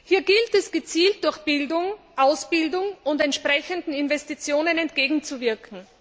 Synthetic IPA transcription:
hiːɐɡɪltɛsɡ̥ət͡siːlt̚d̥ʊɐçb̥ɪldʊŋ | ʔaʊsb̥ɪldʊŋʊntɛntʃpʁ̥ɛçəndn̩ɪnvɛstit͡sjoːnənɛntɡ̥eːɡŋ̩t͡suvɪɐkʰŋ̩

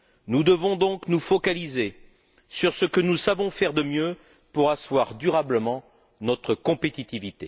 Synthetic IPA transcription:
nud̪əvɔ̃d̪ɔ̃knufɔkalize | syʁsəkənusavɔ̃fɛʁd̪əmjø | puʁaswaʁd̪yʁabləmɑ̃ | nɔt̪χəkɔ̃pet̪it̪ivit̪e

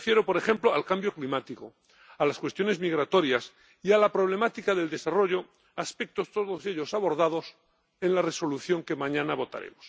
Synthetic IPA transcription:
fjeɾopo̞ɾe̞χe̞mploalkambjo̞klimat̪iko̞ | alaskwest̪jo̞ne̞zmiɣ̞ɾat̪o̞ɾjas | ialapɾo̞β̞le̞mat̪ikaðe̞ld̪e̞saro̞ʝo̞ | aspe̞k̚t̪o̞st̪oðoseʎo̞saβo̞ɾðað̞o̞s | e̞nlare̞so̞luθjo̞ŋkemãɲãnaβo̞t̪a̰ɾe̞̰mos

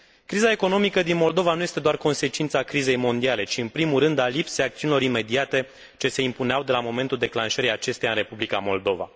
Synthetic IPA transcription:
kɾizae̞ko̞no̞mikəd̪inmo̞ld̪o̞vanuje̞st̪e̞d̪oarko̞nse̞t͡ʃint̪sakɾize̞jmo̞nd̪iale̞t͡ʃiɨnpɾimulɾɨnd̪alipsejak̚t̪siunilo̞ɾime̞d̪iat̪e̞ | t͡ʃe̞se̞impuneawd̪e̞lamo̞me̞nt̪uld̪e̞klanʃəɾijat͡ʃe̞st̪ejaɨnre̞publika̰mo̞ld̪o̞va̰

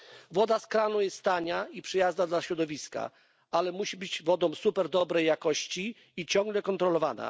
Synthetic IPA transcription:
vɔd̪askɾanujɛst̪t̪aɲaipʂɨjaznad̪laɕɾɔd̪ɔvʲiska̰ | alɛmuɕibɘd͡ʑvɔd̪ɔ̃w̃supɛɾd̪ɔbɾɛjːakɔɕt͡ɕiː | t͡ɕɔ̃ŋɡlɛkɔnt̪ɾɔlɔvana̰

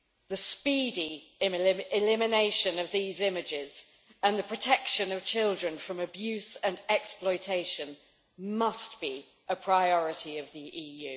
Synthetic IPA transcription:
ðəspiːdiɪmɪɪlɪmɪneɪʃə̃nəvðiːzɪmɪd͡ʒɪz̥ | ə̃nðəpʰɹ̥ətʰɛkʃə̃nəv̥t͡ʃʰɪlˠdɹə̃nfɹə̃məbjʉˑsə̃nɛksplɔɪtʰeɪʃə̃n | mʌstb̥i | ʔəpʰɹ̥aɪɒɹɪtiəvðiʔiːjʉː

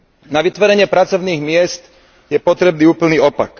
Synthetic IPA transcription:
naʋit̪ʋɔɾɛɲɪɛpɾat͡sɔʊniːɣmɪɛst̪ | jɛpɔt̪ɾɛbniːuːpl̩niːɔpa̰k

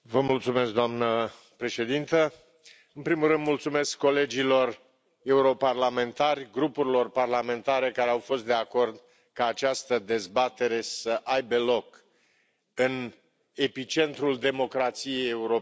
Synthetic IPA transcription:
vəmult̪sume̞sk̚d̪oamnə | pɾe̞ʃe̞d̪int̪ə | ɨnpɾimulːɨnd̪mult̪sume̞skːo̞le̞d͡ʒilo̞r | e̞uɾo̞parlame̞nt̪arʲɡɾupuɾilo̞rparlame̞nt̪aɾe̞kaɾeawfo̞st̪d̪e̞ako̞rd̪ | kaːt͡ʃast̪əd̪e̞zbat̪e̞ɾe̞səʔajbe̞lo̞k | ɨn | e̞pit͡ʃe̞nt̪ɾuld̪e̞mo̞kɾat̪sije̞jeuɾo

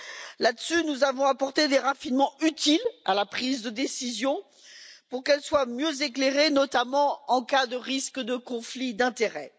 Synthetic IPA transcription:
lad̪əsynuzavɔ̃apɔʁt̪ed̪eʁafinmɑ̃yt̪ila̰lapχizd̪əd̪esizjɔ̃ | puʁkɛlswamjøzekleʁenɔt̪amɑ̃ɑ̃kad̪əʁiskəd̪əkɔ̃flid̪ɛ̃t̪eʁɛ

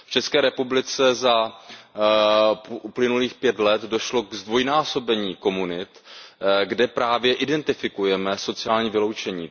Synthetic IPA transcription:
ft͡ʃɛskɛːɾɛpublɪt͡sɛza | ʔuplɪnuliːxpjɛt̪lɛt̪do̞ʃlo̞ɡzdvo̞jnaːso̞bɛɲiːko̞munɪt̪ | ɡdɛpɾaːvjɛʔɪdɛnt̪ɪfɪkujɛmɛso̞t͡sɪaːlɲiːvɪlo̞wt͡ʃɛɲiː

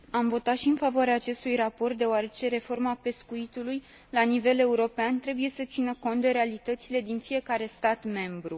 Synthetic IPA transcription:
amvo̞t̪at̪ʃiɨnfavoaɾeaːt͡ʃe̞st̪ujrapo̞rt̪̚d̪e̞oaɾe̞t͡ʃe̞ɾe̞fo̞rmape̞skuit̪uluj | lanive̞le̞uɾo̞peant̪ɾe̞buje̞sət̪sinəko̞nt̪̚d̪eɾealit̪ət̪sile̞d̪infije̞kaɾe̞st̪at̪me̞mbɾu

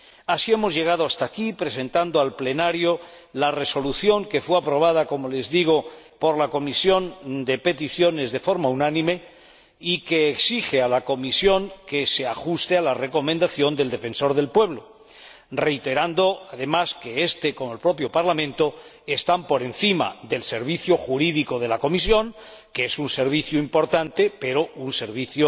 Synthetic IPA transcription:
asie̞mo̞zʝe̞ɣ̞aðoast̪akipɾe̞se̞nt̪and̪oalple̞naɾjo | lare̞so̞luθjo̞ŋke̞fweapɾo̞β̞að̞ako̞mo̞le̞zðiɣ̞o̞ | po̞ɾlako̞misjo̞nd̪e̞pe̞t̪iθjo̞ne̞zðe̞fo̞ɾmaunãnĩme̞ | ikeːksixe̞alako̞misjo̞ŋke̞se̞axust̪e̞alare̞ko̞mẽnd̪aθjo̞nd̪e̞ld̪e̞fe̞nso̞ɾð̞e̞lpwe̞β̞lo̞ | re̞jt̪e̞ɾand̪o̞aðe̞maske̞est̪e̞komolpɾo̞p̬jo̞paɾlamẽnt̪o̞ | est̪ampo̞ɾe̞nθima̰ðe̞lse̞ɾβiθjoxuɾiðiko̞ðe̞lako̞mis̬jo̞ŋkeesunse̞ɾβ̞iθjoimpo̞ɾt̪ant̪e̞pe̞ɾo̞unse̞ɾβiθjo

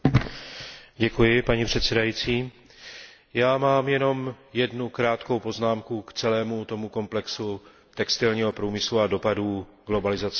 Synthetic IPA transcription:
ɟɛkujɪpaɲipr̝̥ɛt̪sɛdajiːt͡siː | jaːmaːmjɛno̞mjɛdnukɾaːt̪ko̞wpo̞znaːmkukt͡sɛlɛːmut̪o̞muko̞mplɛksu | t̪ɛkst̪ɪlɲiːɦo̞pɾuːmɪsluado̞paduːɡlo̞balɪzat͡s

